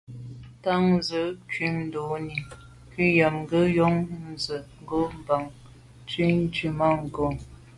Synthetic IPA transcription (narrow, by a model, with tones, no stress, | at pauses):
ta˦ŋ̩zə˨˦kɥi˦mn̩˦do˨˦ni˨ | ki˦ja˨mŋ̩˦ɡə˦jɔ˦ŋn̩˨zə˨ŋ̩˦ɡo˦m̩˦ba˨ŋ | ti˦n̩˦t͡ʃi˨ma˦˨ŋ̩˨ɡo˨